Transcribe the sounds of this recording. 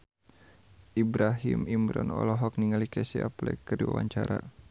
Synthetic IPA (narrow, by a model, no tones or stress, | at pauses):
ʔibɾaɦimimɾɔnɔ̰lɔɦɔk̚niŋalikɛsiaplɛkəɾiwa̰waɲt͡ʃaɾa